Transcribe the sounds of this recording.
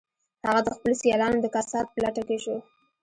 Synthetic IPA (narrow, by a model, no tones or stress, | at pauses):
haɣad̪əxpəlosijɑlɑnod̪əkasɑt̪̚pəlaʈakeʃo